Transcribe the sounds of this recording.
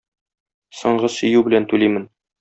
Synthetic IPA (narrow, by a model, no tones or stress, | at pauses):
sɤ̆ɴɢɤsɵ̆jʉbɘ̆lænt̪ʉlijmɘn